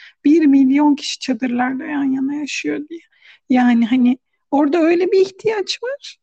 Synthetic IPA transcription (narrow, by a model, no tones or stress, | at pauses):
b̥iɾmilʲːijo̞ncʰi̥ʃi̥t͡ʃʰad̪ɯɾlˠaɾd̪ajanjanajaʃɯjo̞d̪ijɛ | jaːniɦani | o̞ɾd̪aø̞jlʲɛbiːçt̪ʰijat͡ʃvaɾ̥